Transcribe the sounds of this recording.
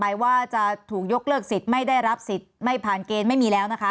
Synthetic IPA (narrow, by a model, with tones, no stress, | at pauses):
pa˧jwaː˥˩t͡ɕa˨˩ʔt̪ʰuː˨˩k̚jo˦˥k̚lɤː˥˩k̚si˨˩t̪̚ma˥˩jda˥˩jɾa˦˥p̚si˨˩t̪̚ma˥˩jpʰaː˨˩nkeː˧nma˥˩jmiː˧lɛː˦˥wna˦˥kʰa˦˥